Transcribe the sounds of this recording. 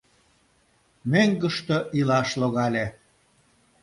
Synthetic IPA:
meŋɡə̆ʃt̪oʔilɑʃloɣɑlʲe

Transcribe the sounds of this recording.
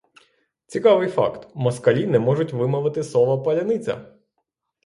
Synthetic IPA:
t͡sʲikɑʋɪjfɑ̰kt̪mɔskɐlʲinɛmɔʐʊtʲʋɪmɔʋɪt̪ɪsɔʋɐpɐlʲɐnɪt͡sʲɐ̰

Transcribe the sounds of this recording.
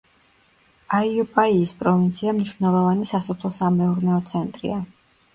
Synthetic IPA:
aiupʼaiːspʼɾɔvint̪sʰiamniʃvnɛlˠɔvanisasɔpʰlˠɔsamɛuɾnɛɔt̪sʰɛnt̪ʼɾḭa

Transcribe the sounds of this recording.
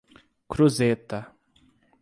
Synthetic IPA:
kɾuzet̪ɐ

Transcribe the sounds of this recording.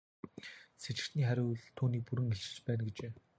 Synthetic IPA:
set͡ɕɪ̆xt̪niːχæɾʲʊːɮt̪ʰuːniːk̚puɾɘ̆ŋeɬt͡ɕɪ̆t͡ɕpæːnɡet͡ɕeː

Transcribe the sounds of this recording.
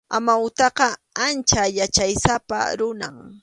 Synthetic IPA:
amaʊt̪ɑqɑ | ant͡ʃajat͡ʃajsapa̰ɾʊna̰ŋ

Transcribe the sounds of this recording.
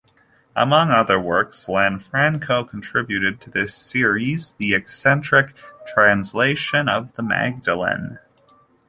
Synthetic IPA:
ʔə̰mʌ̃ŋʌðə˞wɜ˞kslæ̃nfɹæ̃ŋkʰoʊkʰn̩tʰɹ̥ɪbjʉɾɨd̚tʰɨðɪsɪɹizðiɨksɛ̃nt͡ʃɹ̥ɨk̚tʰɹ̥æ̃nsleɪʃɨ̃nʌvðəmæ̰ɡ̚dəlˠə̰̃n

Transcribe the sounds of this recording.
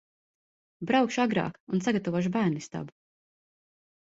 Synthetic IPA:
bɾawkʃuaɡɾa̰ːkuns̬aɡat̪avɔʃ̬ubæːɾnist̪a̰bu

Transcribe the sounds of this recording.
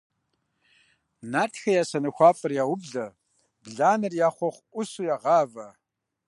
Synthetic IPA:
naːtʰxɐjaːsɐnɐxʷɑːfʼɨrjaːwʊbɮɐ | bɮaːnɐrjaːχʷɔχʷʔʷʊsujaːʁɑːvɐ

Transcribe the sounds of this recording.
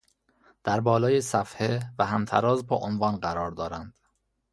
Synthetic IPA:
d̪̥æɾbɒːlɒːjesæfhevæhæmt̪ʰæɾɒːzbɒːʔonvɒːnɢæɾɒːɾd̪ɒːɾænd̪̥

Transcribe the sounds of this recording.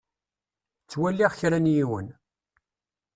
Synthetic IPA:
t͡sːwælːiʁçɾænjiwə̰n

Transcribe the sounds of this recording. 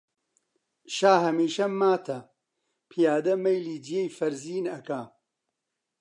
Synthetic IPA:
ʃaːɦɐmiːʃɐmmːaːt̪ʰɐ | pʰijaːd̪ɐmɐjliːd͡ʒijejfɐɾziːnɐka

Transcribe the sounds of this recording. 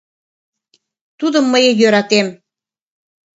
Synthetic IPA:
t̪ud̪əmːəjejøɾɑt̪em

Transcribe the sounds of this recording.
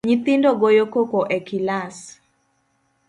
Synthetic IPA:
ɲit̪ɪndɔɡojokokoʔɛkilas

